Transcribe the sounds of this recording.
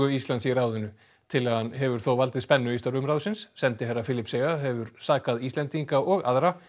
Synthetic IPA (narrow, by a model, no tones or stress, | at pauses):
ʏist̪lanjɛɾawðʏnːʏ | t̪ʰɪlaðhanɦɛvʏɾ̥θowvalt̪ɪðspɛnːʏist̪aɾʏmɾaːwðsɪnsːɛnt̪ɪɦarːafɪːlɪpseɣaɦɛvʏɾ̥saːkaðist̪ɛnt̪iŋkaɔɣa̰ðɾa